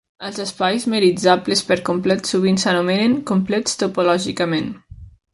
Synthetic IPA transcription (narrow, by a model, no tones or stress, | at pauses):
əlˠzəspajzmeɾid͡zaplespəɾkumplɛt̪suβinsənumeneŋkumplɛt͡st̪upolɔʒikəmen